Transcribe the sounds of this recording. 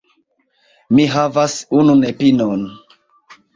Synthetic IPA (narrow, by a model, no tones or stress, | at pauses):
miɦavasununepinon